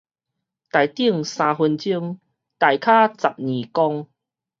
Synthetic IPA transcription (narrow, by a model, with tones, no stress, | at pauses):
t̪a˨˩jt̪i˥˩əŋsãː˧ɦwə˧nt͡ɕi˥˧əŋ | t̪a˨˩jkʰa˦t͡sa˨p̚ɲĩ˨˩kɔ˦ŋ